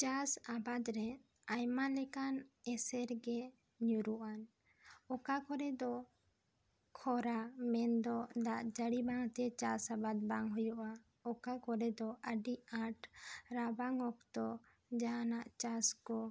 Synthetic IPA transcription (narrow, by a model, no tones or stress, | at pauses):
t͡ʃasabad̪ɾɛ | ajmalɛkanɛsɛɾɡɛ | ɲuɾuʔan | ɔkakʰɔɾɛd̪ɔ | kʰɔɾamɛnd̪ɔd̪aʔd͡ʒəɽibaŋt̪ɛt͡ʃasabad̪baŋɦujɔʔa | ɔkakɔɾɛd̪ɔʔəɖiʔãʈɾabaŋɔkt̪ɔ | d͡ʒaɦanaʔt͡ʃaskɔ